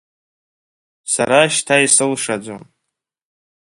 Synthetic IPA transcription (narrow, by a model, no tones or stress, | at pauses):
sa̰ɾaʃtʰaisɨlʂad͡ʒʷo̰m